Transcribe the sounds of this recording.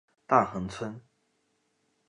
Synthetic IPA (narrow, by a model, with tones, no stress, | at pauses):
t̪a˥˩xɤ˧˥ŋt͡sʰwə˥n